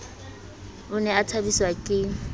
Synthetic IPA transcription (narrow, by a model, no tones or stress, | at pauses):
ʊnɛatʰabiswakʼɪ